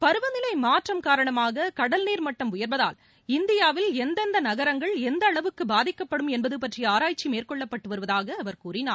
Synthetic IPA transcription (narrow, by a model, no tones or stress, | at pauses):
pɐɾɯʋɐnɪlɐɪmaːʈrɐmkaːɾɐɳɐmaːɣɐkɐɽɐlniːɾmɐʈːɐmʊjɐɾbɐða̰ːl | ɪnd̪ɪjaːʋɪlɛnd̪ɐnd̪ɐnɐɣɐɾɐŋɡɐɭɛnd̪ɐːɭɐʋɯkːɯbaːðɪkːɐpːɐɽɯmɛnbɐðɯpɐʈrɪjɐaːɾaːjt͡ʃːimeːrkɔɭːɐpːɐʈːɯʋɐɾɯʋɐðaːɣɐːʋɐɾkuːrɪnaː